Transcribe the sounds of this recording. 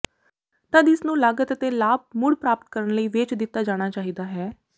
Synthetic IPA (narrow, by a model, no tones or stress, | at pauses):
t̪əd̪ɪsnũːlaːɡət̪ət̪eːlaːb̚mʊɽpɾaːpət̪̚kəɾəɳləiːʋet͡ʃd̪ɪt̪ːaːd͡ʒaːɽ̃aːt͡ʃaːɦiːd̪aːɦɛː